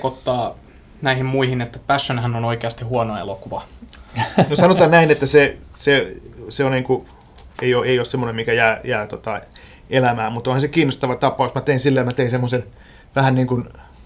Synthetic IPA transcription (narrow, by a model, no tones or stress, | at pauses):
kot̪ːɑː | næihimmuihinet̪ːæpæsːonhænonoikeɑst̪ihuɑnoɑḛlokuʋɑ | nosɑnot̪ɑːnnæinet̪ːæseseseonniːŋku | eijoʔeioˑːsemːonemikæjæːjæːt̪ot̪ɑ | elæmæːmut̪ˑõnhɑnsekiːnːost̪ɑʋɑt̪ɑpːˑɑusmæt̪einsilːejɑmæt̪einsemːosen | ʋæhænniːŋkun